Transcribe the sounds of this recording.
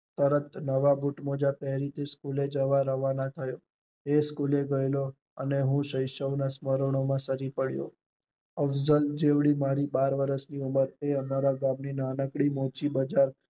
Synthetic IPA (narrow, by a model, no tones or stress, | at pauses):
t̪əɾət̪nəʋabuʈmod͡ʒapɛɦɾit̪ʰeskuled͡ʒəʋaɾəʋanãt̪ʰəjo | eskuleɡəjlo | əneɦũʃəjʃəʋnasməɾəɳ̃omãsəɾipəɽjo̰ | əfd͡ʒəld͡ʒeʋɽimaɾibaɾʋəɾəsniuməɾeəmaɾaɡãmninanəkɽimot͡ʃibəd͡ʒaɾ